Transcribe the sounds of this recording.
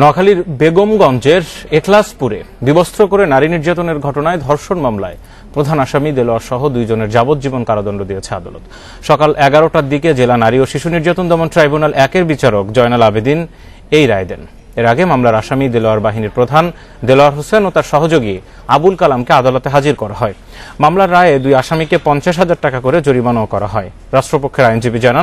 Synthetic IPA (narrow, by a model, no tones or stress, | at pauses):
nɔkʰaliɾbeɡomɡɔnt͡ɕeɾeklaspuɾḛ | bibost̪ʰɾokoɾenaɾiniɾd͡ʑat̪oneɾɡʱɔʈonaed̪ʱɔɾʃonmamlae | pɾod̪ʱanaʃamid̪eloaɾʃɔɦod̪ujd͡ʑoneɾd͡ʑabot̪̚d͡ʑibonkaɾad̪ɔnɖod̪ijet͡ɕʰea̰d̪alo̰t̪ | ʃɔkalʔɛɡaɾoʈad̪iked͡ʑelanaɾioʃiʃuniɾd͡ʑat̪ond̪ɛmonʈɾajbunalʔɛkeɾbit͡ɕaɾokd͡ʑɔenalabed̪in | ejɾaed̪ɛn | eɾaɡemamlaɾaʃamid̪eloaɾbaɦiniɾpɾod̪ʱan | d̪eloaɾɦosenot̪aɾʃɔɦod͡ʑoɡie | abulkalamkead̪alot̪eɦad͡ʑiɾkɔɾaɦɔe | mamlaɾːaeed̪ujaʃamikepɔnt͡ɕaʃ̬ɦad͡ʑaɾ̚ʈakakoɾed͡ʑoɾibanookɔɾa̰ɦɔe | ɾaʃʈɾopokʰːeɾajnd͡ʑibid͡ʑanan